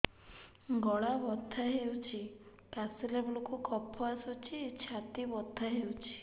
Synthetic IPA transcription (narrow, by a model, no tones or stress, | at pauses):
ɡɔɭabɔd̪ʱaɦewt͡ʃʰi | kasilebɔlokukʰɔpʰːɔasowt͡ʃʰiet͡ʃʰat̪ibɔd̪ʱːaɦewt͡ʃʰi̥